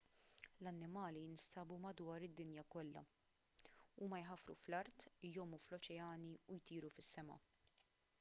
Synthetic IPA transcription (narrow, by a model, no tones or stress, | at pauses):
lɐnːɪmɐːlijɪnst̪ɐːbumɐd̪wɐːɾɪd̪ːɪnjɐkɔlːɐ̰ | uːmɐjħɐfɾṵflɐɾt̪jɔːmːuflɔt͡ʃɛɐːniujt̪iːɾufɪsːɛmɐ̰